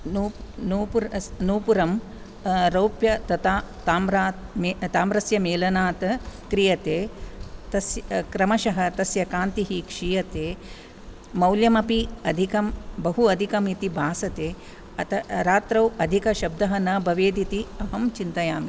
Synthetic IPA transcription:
nunuːpuɾnuːpuɾɐm | ɾɐwpjɐt̪ɐt̪aː | aːmɾaːt̪met̪aːmɾɐsjɐmeːlɐnaːt̪ɐkɾijɐt̪eːt̪ɐsjkɾɐmɐʃɐɦɐt̪ɐsjɐkaːnt̪iɦikʂijɐt̪eː | mɐwljɐmɐpiɐd̪ʱikɐmbɐɦuɐd̪ʱikɐmit̪ibʱaːsɐt̪eː | ɐt̪ɐɾaːt̪ɾɐwɐd̪ʱikɐʃɐb̚d̪ɐɦɐnɐːbʱɐʋeːd̪it̪iɐɦɐmt͡ʃint̪ɐjaːmi

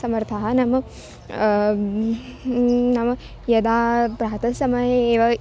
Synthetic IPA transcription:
sɐmɐɾt̪ʰaɦɐnɐmɐ | nɐmɐ | jɐd̪aːpɾaːɐt̪ɐsɐmɐjeeːʋɐ

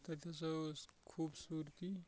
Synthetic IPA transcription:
t̪ɐt̪ʰjasʌkʰuːbsuɾt̪i

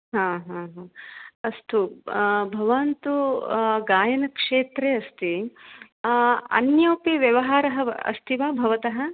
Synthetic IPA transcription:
ɦãːɦãːɦãːɐst̪ubʱɐʋɐnt̪uɡaːjɐnɐkʂeːt̪ɾeɐst̪i | ɐ̰njoːpiʋjɐʋɐɦaːɾɐɦɐɐ̰st̪ʰiʋaːbʱɐʋɐt̪ɐɦɐ

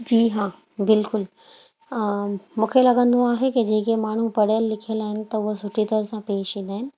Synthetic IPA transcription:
d͡ʑiːɦãː | bɪlkʊl | mũːkʰelɐɡə̃nd̪oaːɦeked͡ʑeːkemaːɳ̤upɐɽjəlːɪkʰiəlaːɦɪnɪ̆t̪ɐʊɦosʊʈʰit̪əɾsãpeːʃind̪aːɦɪnɪ̆

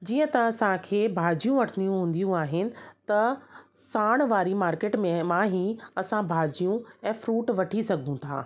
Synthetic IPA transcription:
d͡ʑiːə̃t̪ɐʋ̤ãsaãkʰeːbʱaːd͡ʑijũʋɐʈʰnijũɦũːn̆d̪ijũaːɦɪnɪ̆t̪ɐ | saːɽ̃ʋaːɾimaːɾkeːʈmẽmãɦiɐsãbʱaːd͡ʑijũɛ̃ːfɾuːʈʋɐʈʰisɐɡʱũt̪ʰa̰ː

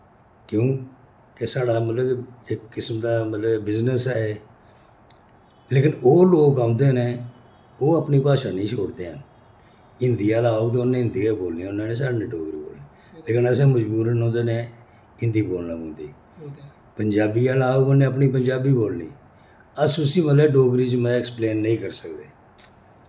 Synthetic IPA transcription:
kjõː | kesaːɽaːmət̪ləbɪkːɪsmd̪aːmət̪ləbbɪznəsɛːe | leːkɪnoːloːkãːʊnd̪eːnẽː | oːəpniːpaːʃaːnĩːt͡ʃʰoːɽd̪eːən | ɪnd̪ijaːlaːoɡt̪̬eːʊnːẽːɪ̃nd̪iːaːboːlniːʊnːãːnẽːs̬aːɾnẽːɖoːɡɾiːbo̰ːlneː | leːkɪnəsẽːməd͡ʒbuːɾənɦõːnd̪eːnẽː | ɪ̃nd̪iːboːlnaːbõːnd̪iː | pəɲd͡ʒaːbiːaːlaːoonẽːəp̬niːpəɲd͡ʒaːbiːboːlnḭː | əsʊsĩːmət̪ləbɖoːɡɾiːt͡ʃmɛ̃ɪkspleːnːəĩːkəɾsəkd̪eː

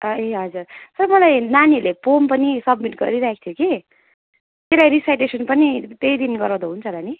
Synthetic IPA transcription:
ʌeɦʌd͡zurt̪ʌɾmʌlajnanilepompʌnisʌbmiʈɡʌ̰ɾiɾaɦkʰt̪ʰjoki | k̪elajɾisajʈesʌnpʌnit̪ejd̪inɡʌɾãw̃d̪aɦunt͡sʰʌlani

